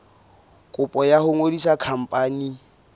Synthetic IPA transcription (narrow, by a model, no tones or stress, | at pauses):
kʼʊpʼɔjahʊŋodisakʰam̩pʼaːni